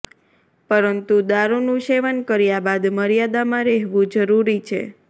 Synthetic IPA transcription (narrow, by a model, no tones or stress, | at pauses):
pəɾənt̪ud̪aɾunũʃeʋənkəɾjabad̪məɾjad̪amãɾɛɦʋũd͡ʒəɾuɾit͡ʃʰḛ